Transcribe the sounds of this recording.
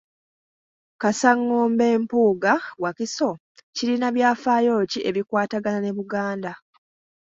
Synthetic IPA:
kasaŋːoːmbe̞ːmpuːɡawakiso̞ | ciɾinaβjaːfajo̞ːciʔe̞βikwaːtaɡanane̞βuɡaːnda

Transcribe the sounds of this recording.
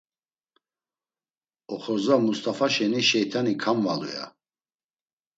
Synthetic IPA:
ɔχɔzamust̪ʰʼafaʃɛniʃɛjt̪ʰanikʰamvalṵja̰

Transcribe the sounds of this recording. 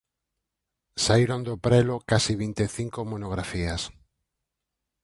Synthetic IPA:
saiɾond̪opɾelokasiβ̞int̪eθiŋkomonoɣ̞ɾafias

